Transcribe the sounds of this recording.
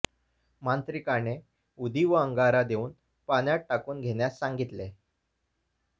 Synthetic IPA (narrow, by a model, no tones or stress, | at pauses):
mant̪ɾikane | ud̪ʱiʋəəŋɡaɾad̪euːn | panjaʈ̚ʈakuːnɡʱeɳjasːãŋɡit̪le